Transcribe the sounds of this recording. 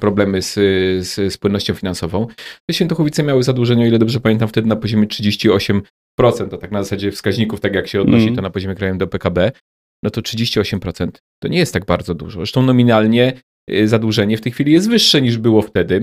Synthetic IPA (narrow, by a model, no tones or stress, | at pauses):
pɾɔblɛmɘssspwɘnːɔɕt͡ɕɔ̃finansɔvɔ̃w̃t̪ɛɕfʲɛnt̪ɔxwɔvʲit̪sɛmʲjawɘzad̪wuʐɛɲɛɔilɛd̪ɔbʐɛpamʲjɛnt̪̬amft̪ɛd̪ɘnapɔʑɔmʲjɛtʂɘd͡ʑeɕt͡ɕiɔɕɛm | pɾɔt̪sɛnt̪at̪aknazasad͡ʑɛfskaʑɲikuft̪akjakɕɛɔd̪nɔɕit̪ɔnapɔʑɔmʲɛkɾajɛmd̪ɔpɛkabɛ | nɔt̪ɔtʂɘd͡ʑeɕt͡ɕiɔɕɛmpɾɔt̪sɛnt̪ːɔɲɛjɛst̪ːaɡ̚baɾd̪zɔd̪ṵʐɔ̰zʐɾɛʂt̪ɔ̃nɔmʲinalɲɛ | zad̪wuʐɛɲɛft̪ɛjxfʲilʲijɛs̬t̪vɘʂːɛɲiʐbɘwɔft̪ɛd̪ɘ